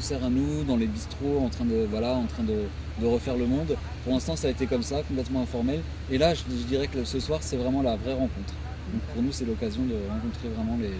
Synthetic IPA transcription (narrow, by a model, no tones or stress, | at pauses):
sɛʁanud̪ɑ̃lebist̪χoɑ̃t̪χɛ̃d̪əvwalaɑ̃t̪χɛ̃d̪ə | d̪əʁəfɛʁləmɔ̃d̪ | puʁlɛ̃st̪ɑ̃saːet̪ekɔmsakɔ̃p̬lɛt̪mɑ̃ɛ̃fɔʁmɛl | elaʒʒəd̪iʁɛkəsəswaʁsɛvʁɛmɑ̃lavʁɛʁɑ̃kɔ̃t̪χ | d̪ɔ̃k̚puʁnusɛlɔkazjɔ̃d̪əʁɑ̃kɔ̃t̪χevʁɛmɑ̃le